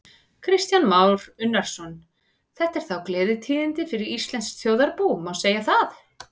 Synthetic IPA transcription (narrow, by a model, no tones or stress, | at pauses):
kʰɾɪst̪janmawɾʏnːaɾ̥sɔn | θɛht̪ɛɾ̥θawklɛːðɪt̪ʰiːðɪnt̪ɪfɪɾɪɾist̪lɛnt̪skθjoːwðaɾpumawseːjaθaθ